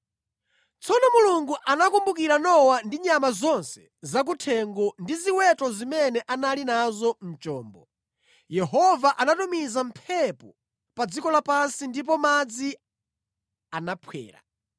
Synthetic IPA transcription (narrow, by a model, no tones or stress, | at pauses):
t͡sʰɔnɔmuluŋɡuʔanakumbukiɾanɔwandiɲamazɔnsɛ̥ | zak̬utʰɛŋɡɔndiziwɛtɔzimɛnɛʔanalinazɔm̩t͡ʃɔːmbɔ | jɛɦɔvaʔanatumizam̩pʰɛpɔ | pad͡zikɔlapansindip̬ɔmad͡zi | anapʰwɛ̰ːɾa̰